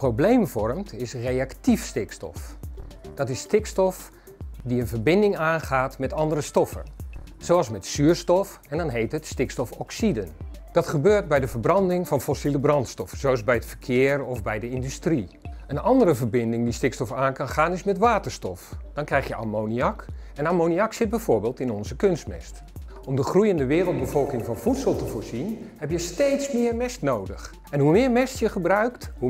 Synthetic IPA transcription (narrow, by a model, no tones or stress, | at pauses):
prowblejmvɔrmtʰɪsrejɑktifstɪkstɔ̰fd̥ɔtɪsːtɪkstɔf | diənvəɹbɪndɪŋaːnχaːtmɛtɑndərəstɔfə̰nsowɑlˠsmɛtsyːəɹstɔf | ɛndɔnɦejtətstɪkstɔfɔksidənd̥ɑtχəbøːɹt̚bɛjdəvəɹbrɑndɪŋvɑnfɔsiləbrɑntstɔfsoɛzbɛjətfəɹkʰɪərɔvbɛjdəɪndystri | ənɑndərəvəɹbɪndɪŋdistɪkstɔfaːnkɑnχaːnɪsmɛtʋaːtərstɔfd̥ɑnkrɛjxjəʔa̰mowniɑkɛnamowniɑksɪt̚bɛjv̥oːɹbɪːlˠtɪnɔnzəkønst̚mɛ̰st | ɔmdəχrujəndəʋɪːrəlˠt̚bəv̥ɔlˠkɪŋvɑnfutsəlˠtəvoːɹzinhɛpjəstejtsmɪːɹmɛstnowdəx | ɛnɦumɪːɹmɛstjəχəbrœɥkthu